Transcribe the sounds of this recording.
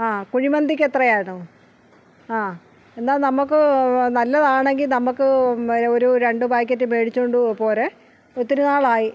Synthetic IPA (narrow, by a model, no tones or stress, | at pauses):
aːkuɻimɐnd̪ikʲːet̪rɐjaːɳu | aː | e̞nd̪aːlnɐmːukːɨnɐlːɐðaːɳe̞ŋɡilnɐmːukːɨoɾuɾe̞ɳɖɨbaːjk̬ʲːɐtːɨmeːɽit͡ɕːoɳɖupo̞ːle̞ | ot̪ːinunaːɭaːji